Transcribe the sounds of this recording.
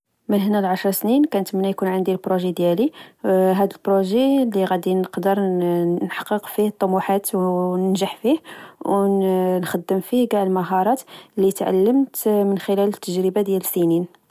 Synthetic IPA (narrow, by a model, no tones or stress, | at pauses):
mənɦnælʕaʃɾˤɑsninkænət̪mənːæjkunʕənd̪ilbɾoʒed̪jæliɦæd̪əlbɾoʒelːiɣæd̪inəqd̪əɾˤnħɑ̥qːəqfihət̪ˤːɑmuħat̪wnənʒəħfihwnxæd̪ːəmfihɡaʕəlməɦɑɾˤɑt̪lːit̪ʕa̰lːəmt̪mənxəlælət̪ːəʒɾəbad̪jæləsinin